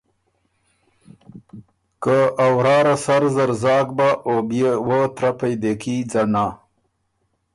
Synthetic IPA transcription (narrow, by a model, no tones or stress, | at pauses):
kəawɾɑːɾasaɾzaɾzɑːɡ̚baʔobjewət̪ɾapajd̪ekid͡zana